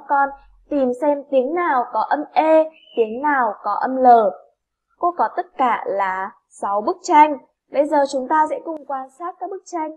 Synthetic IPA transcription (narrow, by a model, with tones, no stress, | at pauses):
kɔ˧n | t̪i˨˩msɛ˧mt̪i˨˦əŋnaː˨˩wkɔ˨˦ʔə˧mʔe˧ | t̪i˨˦əŋnaː˨˩wkɔ˨˦ʔə˧mləː˨˩ | ko˧kɔ˨˦t̪ə˦˥t̚kaː˧˩laː˨˩ | sa˨˦wɓɨ˦˥k̚t͡ɕa˧jŋ̟ | ɓə˧jzəː˨˩t͡ɕʊ˨˦ŋ͡mt̪aː˧sɛ̰˧˥kʊ˨˩ŋ͡mkwaː˧˩nsaː˦˥t̚kːaː˦˥k̚ɓɨ˦˥k̚t͡ɕa˧jŋ̟